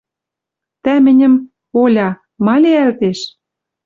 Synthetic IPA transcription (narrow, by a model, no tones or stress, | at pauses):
t̪æmɘ̆nʲɘ̆m | olʲɑ | mɑlʲeælt̪eʃ